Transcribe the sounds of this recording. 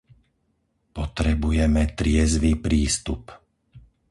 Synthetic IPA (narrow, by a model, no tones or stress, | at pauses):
pɔt̪ɾɛbujɛmɛt̪ɾɪɛzʋiːpɾiːst̪up